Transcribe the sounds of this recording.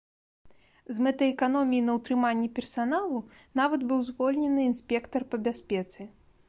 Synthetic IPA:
zmɛt̪ɐɛkanɔmʲijinɐwt̪ɾɨmanʲːɛpʲɛrsanalˠu | navɐd̪bɨwzvɔlʲnʲɛnɨːnsʲpʲɛkt̪ɐrpɐbʲasʲpʲɛt̪sɨ

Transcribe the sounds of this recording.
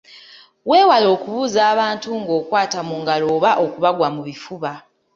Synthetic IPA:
we̞ːwalo̞ːkuβuːzaːβaːntuŋɡo̞ːkwaːtamuŋɡaloːβaʔo̞kuβaɡwamuβifuβa

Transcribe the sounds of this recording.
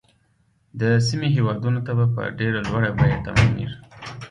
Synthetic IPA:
d̪əsimeɦewɑd̪unot̪abapə̰ɖeɾalwaɽabajat̪a̰manḭɾi

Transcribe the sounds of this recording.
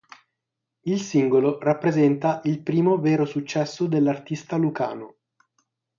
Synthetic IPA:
ilsiŋɡolorapːɾezɛnt̪aʔilpɾiːmoveːɾosut͡ʃːɛsːod̪elːart̪ist̪aluka̰ːno

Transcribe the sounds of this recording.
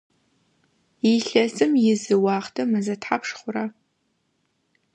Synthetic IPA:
iɬɐsɨmjɪzɨwɑːχtʰɨmɨzɐtʰħapʂχʷʊra

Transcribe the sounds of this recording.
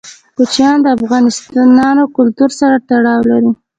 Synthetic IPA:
kut͡ʃjɑnd̪əafɣɑnɪst̪ɑnɑnokʊlt̪uɾsaɾat̪aɽɑwlaɾi

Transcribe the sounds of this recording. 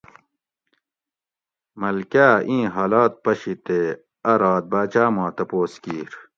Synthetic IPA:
mɐlkaːʔĩːɦaːlaːt̪̚pɐɕit̪e | ɐɾaːt̪̚baːt͡ɕaːmãːt̪ɐpoːskiːɾ

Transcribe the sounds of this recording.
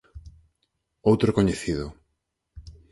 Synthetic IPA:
owt̪ɾokoɲeθiðʊ

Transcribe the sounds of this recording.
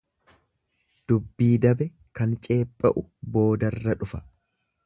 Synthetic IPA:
d̪̥ʊbːiːd̪ɐbɛ | kɐnt͡ʃʼe̞ːpʼːɐʔʊbo̞ːd̪ɐrːɐᶑʊfɐ̥

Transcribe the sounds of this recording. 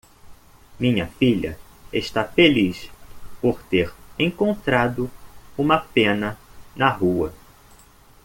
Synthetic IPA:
mĩɲɐfiʎɐḛst̪afelispoɾt̪eɾẽŋkõnt̪ɾad̪ʊũmɐpẽnɐnɐɦuɐ

